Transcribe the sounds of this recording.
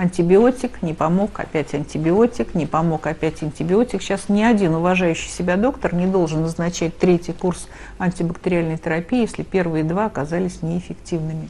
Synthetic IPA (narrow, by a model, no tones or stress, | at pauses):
ɐnʲtʲɪbʲɪo̞tʲɪknʲɪpɐmo̞kɐ̰pʲætʲɐnʲtʲɪbʲɪo̞tʲɪknʲɪpɐmo̞kɐpʲætʲɐnʲtʲɪbʲɪo̞tʲɪkɕasnʲɪɐdʲinʊvɐʐajʉɕːɪ̥jsʲɪbʲad̪o̞kt̪ərnʲɪd̪o̞lˠʐɨnːəznɐt͡ɕæt̚ʲt̪ɾʲetʲjɪjkurs | ɐnʲtʲɪbəkt̪əɾʲɪalʲnəjt̪əɾɐpʲijɪjesʲlʲɪpʲe̞rvɨjɪd̪vaɐkɐzalʲɪsʲnʲɪɪfʲɪktʲivnɨmʲɪ